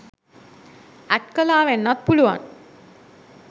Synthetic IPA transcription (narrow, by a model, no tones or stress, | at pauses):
æʈkəlaːʋenːat̪̚puluʋa̰n